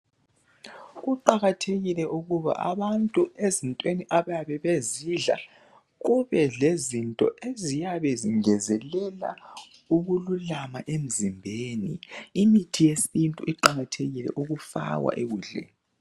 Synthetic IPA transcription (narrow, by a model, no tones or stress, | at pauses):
ɣuǃaɣatʰeɣilɛʔuɣuβa̰ʔa̰βantʼuezintʼweniʔaβajaβɛβeziɮa̰ | ɣuβɛɮezintʼɔ̰ʔezijaβɛziŋɛzɛlɛla̰ | uɣululamaʔem̩zimbʱeːnḭːmitʰijesintʼuiǃaɣatʰeɣilɛ̰ʔuɣufa̰wa̰ʔeɣuːɮɛ̰